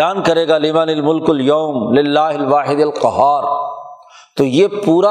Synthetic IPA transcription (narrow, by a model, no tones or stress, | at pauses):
aːnkɐɾeːɡaːliːmaːnɪlmʊlkʊljoːmlɪlːaːɦɪlʋaːħɪd̪ɐlqɐɦaːɾ | t̪ojeːpuːɾa